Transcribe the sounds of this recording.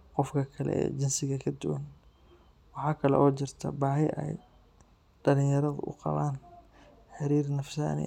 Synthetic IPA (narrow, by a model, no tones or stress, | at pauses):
qɔfkʰɐkʰɐlɛ̰ɛ̰ːt͡ʃɪnsɪɣɐkʰɐd̪ʊwɐn | wɑħɑːkʰɐlɛ̰ʔɔːt͡ʃɪrt̪ʰɐ̰baːɦɛʔɛ̰j | ɖɐlɪ̃jɐɾɐðʊ̰ʔʊqɑ̰βaːn | ħɪɾiːrnɐfsa̰ːnɪ̰